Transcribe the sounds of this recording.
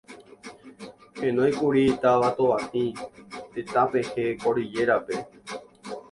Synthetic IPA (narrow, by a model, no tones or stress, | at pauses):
hẽ̞nõj̃kuɾit̪aʋat̪oʋahĩt̪et̪apehekoɾid͡ʒe̞ɾape̞